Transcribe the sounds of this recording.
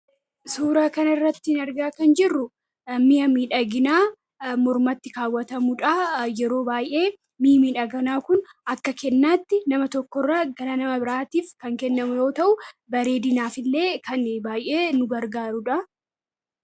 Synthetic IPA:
suːɾaːkɐnɐɪrːɐt̪ːɪɪnɐɾɡaːkɐnd͡ʒɪrːʊ | ɐmːɪɐmiːᶑɐɡɪnaː | mɔɾmɐt̪ːɪkaːwːɐt̪ɐmʊᶑɐjɛɾo̞ːbaːjʔe̞ː | miːmiːᶑɐɡɐnaːkʊnɐkːɐkɛnːaːt̪ːɪnɐmɐt̪ɔkːɔrːaːɡɐɾɐnɐmɐbɪɾaːt̪iːfkɐŋkɛnːɐmʊjo̞ːt̪ɐʔʊbɐɾe̞ːd̪ɪnaːfɪlːe̞ːkʰɐnbaːjʔe̞ːnʊɡɐɾɡaːɾʊᶑɐ

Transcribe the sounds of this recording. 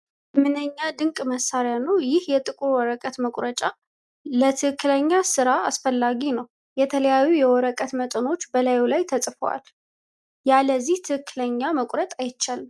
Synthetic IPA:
mɨnəɲːad̪ɨŋkʼməsːaɾjanəwjɪhjɛt̪ʼɨkʼuɾwɔɾəkʼət̪məkʼɾət͡ʃʼa | lət̪ʰɨhɨkːɨləɲːasɨɾaasfəlːaɡinəw | jɛt̪ʰələjajːujɛwɔɾəkʼət̪mət̪ʼɨno̞t͡ʃːbəlajulajt̪ʰəsʼfəwa̰l | jaləzːiht̪ʰɨhɨkːɨləɲːaməkʷʼɾət̪ʼajɪt͡ʃːal

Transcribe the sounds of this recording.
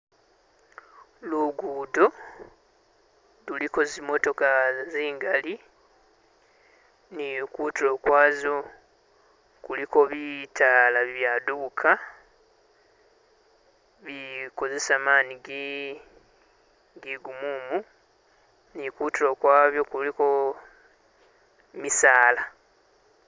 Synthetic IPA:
luɡuːdo̞ | luliko̞zimo̞to̞kaziːŋɡali | nikuːtiɾo̞kwaːzo̞ | kuliko̞βitʰalaβjaduβukʰa | βiko̞ze̞saːmaːniɡi | ɡiɡumuːmu | nikuːtiɾo̞kwaːβjo̞kuliko | misaːla

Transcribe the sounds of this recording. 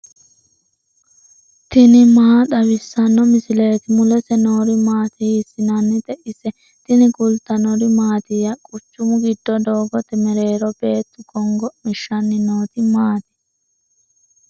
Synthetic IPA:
t̪ɪnɪmaːd̪ɐwɪsːɐnːɔmɪsɪle̞ːt̪ɪmʊlɛsɛnoːɾɪmaːt̪ɪhɪsːɪnanːɪt̪ɛʔɪsɛ | t̪ɪnɪkʊlt̪ːɐnɔɾɪmaːt̪ɪjɐkʼʊt͡ʃːʊmʊɡɪd̪ːɔd̪oːɡɔt̪ɛmɛɾe̞ːɾɔbeːt̪ːʊɡɔŋɡɔmɪʃːɐnːɪnoːt̪ɪmaːt̪ɪ̥

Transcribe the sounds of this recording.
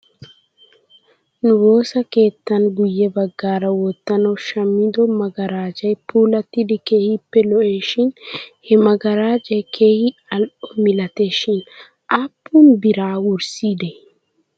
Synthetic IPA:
nʊbo̞ːsɐke̞ːt̪ːɐnɡʊjːɛbɐɡːaːɾɐwɔt̪ːɐnɐwʃɐmːɪd̪ɔmɐɡɐɾaːd͡ʒɐjpʰuːlɐt̪ːɪd̪ɪkehɪpːɛlɔʔeːʃɪnhɛmɐɡɐɾaːd͡ʒɐjkʰeːhɪɐlʔɔmɪlɐt̪e̞ːʃɪn | ʔɐpːunbɪɾaːwʊɾsiːd̪ɛ

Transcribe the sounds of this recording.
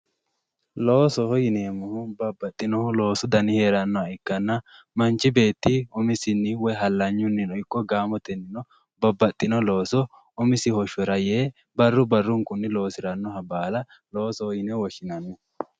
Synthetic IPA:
lo̞ːsɔhɔjɪneːmːʊhʊbɐbːɐt̪ʼːɪnɔlo̞ːsɔd̪ɐnɪheːɾɐnːɔɐɪkːɐnːɐ | mɐnt͡ʃːɪbe̞ːt̪ːiɔmɪsɪnːɪwɔjɦɐlːɐɲːʊnːɪnɔɪkːɔɡaːmɔt̪ɛnːɪnɔ | bɐbːɐt̪ʼːɪnɔlo̞ːsɔ | ɔmɪsɪhɔʃɔɾɐjeː | bɐrːʊbɐrːʊŋkʊnːɪlo̞ːsɪɾɐnːɔhɐbaːlɐ | lo̞ːsɔhɔjɪnɛwɔʃɪnɐnːɔ

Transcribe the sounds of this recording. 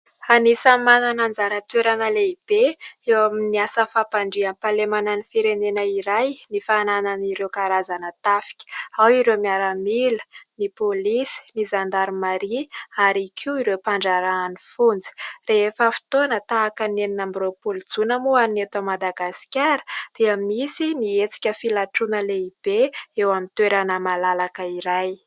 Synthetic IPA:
anisamananand͡zaɾət̪weɾanəleib̥eewaminiasəfapaɳɖ͡ʐianpalemananifiɾenenəiɾajnifanananiɾewkaɾazanət̪afi̥kʲə̥awiɾewmiaɾamilə̥nipolisi̥nizand̪aɾimaɾiaɾikʲʰiwiɾepaɳɖ͡ʐaɾaːnifund͡zi̥reɦefəfi̥t̪onət̪aːkəneninambropuld͡zunəmoannet̪amad̪aɡasi̥kʲaɾə̥d̪̥iəmisiniet͡si̥kʲəfilaʈ͡ʂunəleib̥eewamint̪weɾanəmalalakəiɾaj

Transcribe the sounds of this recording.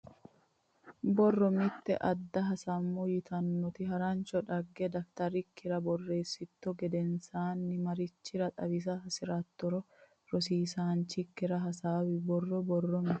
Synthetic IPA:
bɔrːɔmɪt̪ːɛ̰ʔɐd̪ːɐɦɐsɐmːɔjɪt̪ʰɐnːɔt̪ɪɦɐɾɐnt͡ʃɔᶑɐɡːɛd̪ɐkt̪ɐɾɪkːɪɾɐbɔrːe̞ːsːɪt̪ːɔɡɛd̪ɛnsaːnːɪmɐɾɪt͡ʃːɪɾɐt̪ʼɐbɪs̬ɐsɪɾɐt̪ːɔɾɔ | ɾɔsiːsaːnt͡ʃːɪkːɪɾɐɦɐsaːwɪbɔrːɔbɔrːɔmɪ

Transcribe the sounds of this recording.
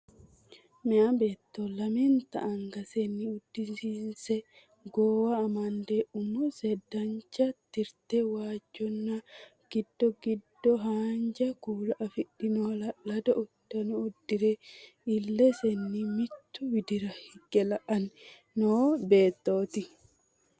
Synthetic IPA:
mɛɐbe̞ːt̪ːolɐmɛnt̪ɐʔɐŋɡɐsɛnːiʊd̪ːɪnsinsɛ | ɡoːwɐːmɐnd̪eʔʊmɔsɛd̪ɐɲt͡ʃɐt̪ɪɾt̪ɛwaːd͡ʒːɔnːɐ | ɡ̥ɪd̪ːɔɡɪd̪ːɔɦaːɲd͡ʒɐkuːlɐʔɐfɪɗɪnolɐlɐd̪ɐʔʊd̪̥ːɐnʊːd̪ːɪɾɛ | ɪlːɛsɛnːimɪt̪ːʊwɪd̪ɪɾɐhɪɡɛlɐʔɐnː | oːbeːt̪ːo̞ːt̪ɪ

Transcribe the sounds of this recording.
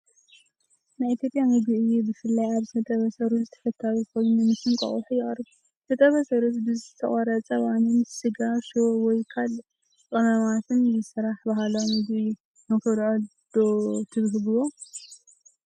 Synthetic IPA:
najit̪ʰjopʼjaŋɨɡiʔɨjubɨfɨlːajaβzɨt̪ʰɐt̪ʼɐβɐsɐɾuzɨt̪ʰɐ̥fɐt̪ʰːaβkojnunɨmɨsɨŋkʼɐ̰χʼuħujɪχʼɾɨβu | t̪ʰɐt̪ʼɐβɐsɐɾut̪bɨzɨt̪ʰɐχʼɐɾɐt͡sʼɐwanɨnsɨɡaʃwɔjkʰal | kʼɐmɐmat̪ʰɨnzɨsɨɾaħbaɦaloŋɨɡi | mɨkʰɐlʕod̪̥ot̪ʰɨβɦɨbɨwo

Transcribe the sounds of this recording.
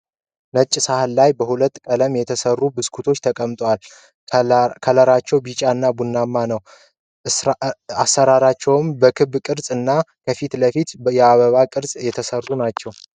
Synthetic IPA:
nət͡ʃʼːsahlːajbəhulət̪ːkʼələmjɛt̪ʰəsərːubɨskʰut̪ʰo̞t͡ʃːt̪ʰəkʼəmt̪ʼwal | kʰələɾat͡ʃːɛwbit͡ʃʼaɨnːabunːamːanəw | asːəɾaɾat͡ʃːɛwɨmbəkʰɨβkʼɨɾsʼɨnːakʰəfit̪ləfit̪jɛaβəβakʼɨɾsʼjɛt̪ʰəsərːunat͡ʃːɛw

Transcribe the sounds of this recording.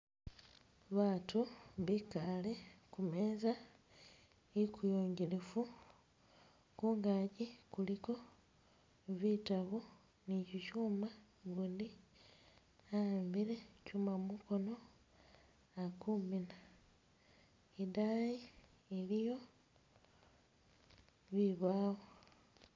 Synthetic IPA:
βaːtuβikale̞kumeːza | ekujoːɲɟilefu | kuːŋɡaɟikuliko̞ | βitaβu | niciʃuːma | ɡuːndi | ambiɾe̞cumamuko̞no̞ | akumina | idaji | elijo̞ | βiβaːɣo

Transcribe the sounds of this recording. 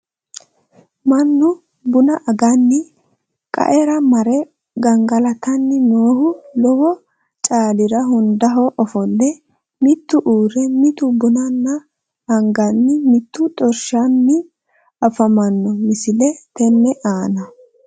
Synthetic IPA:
mɐnːʊ | bʊnɐʔɐɡɐnːɪ | kʼɐ̰ʔɛɾɐmɐɾɛ | ɡɐŋɡɐlɐt̪ɐnːɪnoːhʊlɔhɔ | t͡ʃʼaːlɪɾɐɦʊnd̪ɐɦɔʔɔfɔlːɛ | mɪt̪ːʊʔuːɾɛmɪt̪ʊbʊnɐnːɐ | hɐŋɡɐnːɪmɪt̪ːʊt̪ʼɔɾʃanːɪ | ɐfɐmɐnːɔmɪsɪlɛt̪ɛnːɛʔaːnɐ

